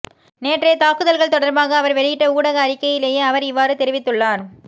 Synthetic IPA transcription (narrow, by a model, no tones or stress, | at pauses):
neːʈreːt̪aːkːɯðɐlɣɐɭt̪ɔɽɐɾbaːɣɐːʋɐɾʋɛɻɪjɪʈːɐuːɽɐɣɐːɾɪkːɐjɪleːjeːɐʋɐɾɪʋːaːɾɯt̪ɛɾɪʋɪt̪ːɯɭːaːn